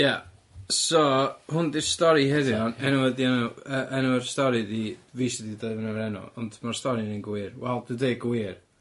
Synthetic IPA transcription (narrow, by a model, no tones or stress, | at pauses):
ja | sɔhʊndistɔɾihɛðjɔnɛnuɛdiɛnuəʔɛnuɛrstɔɾidiviːsididevɛnɛɛɾɛnɔ̰ɔ̰ndmarstɔɾininɡwɪrwɛlˠdɨdeɨɡwɪr